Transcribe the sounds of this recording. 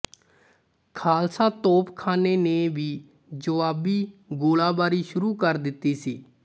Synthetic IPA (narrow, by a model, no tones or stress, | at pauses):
kʰaːlsaːt̪oːpkʰaːneːneːbiː | d͡ʒəʋaːbiːɡoːlaːbaːɾiːʃʊɾuːkəɾd̪ɪt̪ːiːsiː